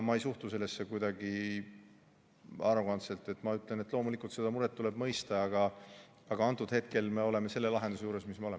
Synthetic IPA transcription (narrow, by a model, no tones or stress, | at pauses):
mɑe̞jsuht̪use̞lːesːe̞kujd̪̥ɑɡi | ɑɾuɡɑnt̪se̞lt̪ˑːe̞t̪ːˑmɑyt̪ːˑle̞net̪ːlo̞ːmulikˑult̪se̞d̪̥ɑmuɾet̪ːule̞b̥mɤjst̪ɑɑɡ̥ɑ | ɑɡ̥ɑɑnt̪ːˑud̪̥he̞t̪̚ke̞lme̞o̞le̞me̞se̞lːe̞lɑɦend̪use̞juːɾe̞smismeoem